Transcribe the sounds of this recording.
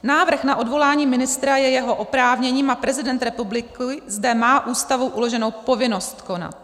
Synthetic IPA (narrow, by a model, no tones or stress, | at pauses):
naːvr̩xnaʔo̞dvo̞laːɲiːmɪnɪst̪ɾajɛjɛɦo̞ʔopɾaːvɲɛɲiːmapɾɛzɪdɛnt̪ɾɛpublɪkɪzdɛmaːʔuːst̪avowʔulo̞ʒɛno̞wpo̞vɪno̞st̪ko̞na̰t̪